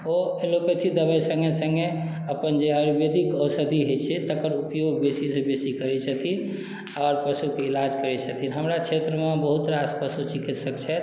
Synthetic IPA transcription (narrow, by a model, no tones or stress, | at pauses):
oelopet̪ʰid̪əbəjsə̃ŋɡesəŋɡe | əpənd͡ʒeəɾibed̪ikəwsəd̪ʱiɦojt͡ʃʰɛt̪əkəɾupjoɡ̚besisẽbesikəɾɛt͡ʃʰət̪ʰin | ɔɾpəsukeilad͡ʒkəɾɛt͡ʃʰət̪ʰinɦəmɾakt͡ʃʰet̪ɾəmebəɦut̪ɾaspəsut͡ʃikit̪səkt͡ʃʰɛ